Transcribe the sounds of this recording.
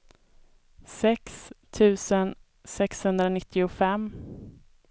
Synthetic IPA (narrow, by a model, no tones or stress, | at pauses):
sɛkst̪ʰʉ̟ːsən | sɛkshɵnd̪ɾanɪt̪ʰːɪʊfɛmː